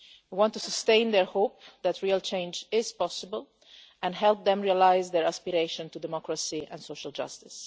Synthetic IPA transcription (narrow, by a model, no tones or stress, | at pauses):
ewɔ̃ntusəstẽɪ̃nd̪ɛɹhoʊp̚ðætʰɹialˠt͡ʃẽɪ̃nd͡ʒɪz̥pɔsɪbəlˠ | ɛ̃nɦɛlˠp̚ðɛ̃mɹialaɪzðɛɹæspiɾeɪʃə̃ntudɛmɔkɹəsiɛ̰̃nsoʊʃəlˠd͡ʒʌ̰stɪs